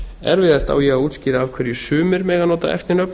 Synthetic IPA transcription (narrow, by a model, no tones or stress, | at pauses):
ɛ̰ɾvɪːðast̪a̰wjɛɣaðuːt̪scɪːɾaːvkʰvɛɾjɪsʏːmɪɾmɛːɣanɔːt̪a̰ɛ̰ft̪ɪɾnœpn